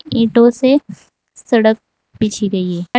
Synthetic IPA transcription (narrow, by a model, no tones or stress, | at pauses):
ĩːʈõse | sɐɽək̚ | piːt͡ʃʰiɡɐieː